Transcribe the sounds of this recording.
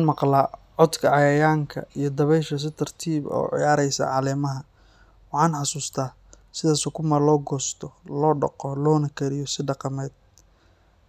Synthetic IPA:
ɑːnmɑqlaː | ʕɔd̪kʰɐʕɑjɐjaːŋkʰɐ̰ijɞd̪ɐβɛʃɐs̬ɪt̪ʰɐrt̪ʰiːbɔ̰ːʕɪ̰jaːɾɛjsɐ̰ʕɑlɛːmɐɦɐ | wɑħɑːnħɑsuːst̪ʰaː | sɪðaːsɔːkʰʊmalɔːɡɔːst̪ʰɔlɔːɖɑ̰qɔlɔːnɐkʰɛɾɪjɔsɪɖɑqɑmɛːd̪̚

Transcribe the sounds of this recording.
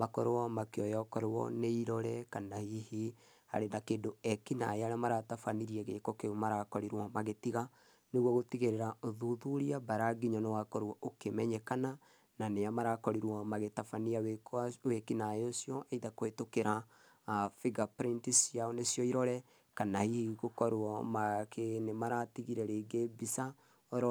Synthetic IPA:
makɔɾewɔmakeɔjɔkɔɾewɔ̰neiɾɔɾɛkanahihi | ha̰ɾenakeːndoɛkina̰eaɾamaɾatafaniɾiɛɣekɔkeomaɾakɔɾiɾwɔmaɣetiɣa | neɣwɔɣotiɣeɾeɾaoðuðuɾiabaɾaɡiɲɔnewakɔɾɔʔokemɛɲɛkana | naneamaɾakɔɾiɾwɔmaɣetafaniawekwekinaeosjɔʔeiðakoetokeɾa | fiɡapɾintisiaɔnesijɔiɾɔɾɛ | kanahihiɣokɔɾwɔmakʰenemaɾatiɣiɾɛɾeɡebisa | ɔɾɔ

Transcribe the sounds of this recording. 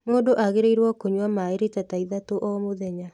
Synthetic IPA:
moːdoʔaɣeɾeiɾwɔkoɲwamaeɾetataiðatoʔɔmoðɛɲa

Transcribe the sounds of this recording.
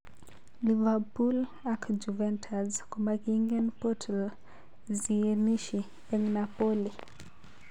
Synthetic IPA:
livapul | akd͡ʒuvɛntʰazkamakiŋɡɛnpɔtʰɛl | ziɛniʃi | ɛŋnapɔli

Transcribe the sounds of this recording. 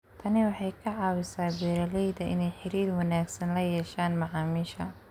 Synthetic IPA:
t̪ʰɐnɪwɑħɑjkʰɐʕɑːwɪsaːbɛːɾɐlɛjd̪ɐʔɪ̰nɛjħɪɾiːrwɑnaːɡsɐnlɐjɛːʃaːnmɐʕɑːmiːʃɐ̰

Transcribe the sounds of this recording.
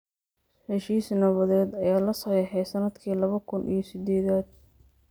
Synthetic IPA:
hɛʃiːsnɐβɐðɛːd̪ɐjaːlɐsɐɛħɛjsɐnɐd̪kʰiːlɐβɐkʰʊnʔḭjɞsɪd̪ɛːðaːd̪̚

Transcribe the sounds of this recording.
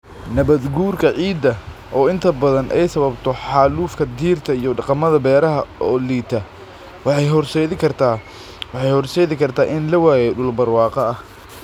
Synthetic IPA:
nɐβɐd̪ɡuːrkʰɐʕiːd̪ɐʔɔːɪnt̪ʰɐbɐðɐnʔɛ̰jsɐβɐbt̪ʰɔħɑːluːfkʰɐd̪iːrt̪ʰɐijɔɖɑqɑmɐðɐbɛːɾɐɦɐɔːliːt̪ʰɐ | wɑħɑjɦɔrʃɛjðɪkʰɐrt̪ʰa | wɑħɑjhɔrʃɛjðɪkʰɐrt̪ʰaːʔɪnlɐwaːjɛɖʊlbɐrwɑːqɐɐh

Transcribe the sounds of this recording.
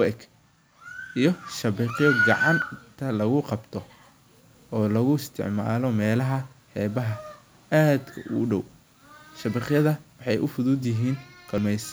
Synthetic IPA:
wɛk | ʔijɞʃɐβɪχjɔɡɑʕɑnt̪ʰɐlɐɣʊqɑbt̪ʰɔ | ɔːlɐɣʊɪst̪ʰɪ̰ʕma̰ːlɔmɛːlɐɦɐ | ħɛːβɐɦɐ | aːd̪kʰɐʔʊ̰ɖɔw | ʃɐβɪqjɐðɐwɑħɑjʔʊfʊðuːd̪jɪɦiːnqɐmɛjs

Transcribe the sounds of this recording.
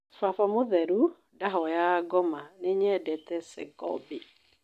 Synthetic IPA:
fafamoðɛɾu | daɦɔjaɡɔmaneɲɛdɛtɛsɛ̰ɡɔ̰be

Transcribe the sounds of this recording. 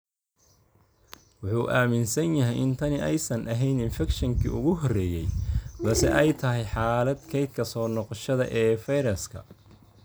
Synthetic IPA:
wʊħuːʔaːmɪnsɐnjɐɦɛjɪnt̪ʰɐnɪʔɛjsɐnʔɐɦɛjnɪnfɛkʃɐŋkʰḭːʔʊ̰ɣʊɦɔrɛːjɛjbɐsɛ̰ʔɛjt̪ʰɐɦɛjħaːlɐd̪kʰɛjt̪̚kʰɐsɔːnɔqɔʃɐðɐ̰ʔɛːfɛjɾɐskʰɐ̰

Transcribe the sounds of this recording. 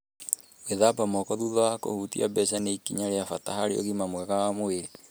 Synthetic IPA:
weðabamɔkɔðuðɔwako̰hutḭʔa̰bɛsaneikiɲaɾeafataɦaɾeo̰ɣimamwɛɣawamoeɾe

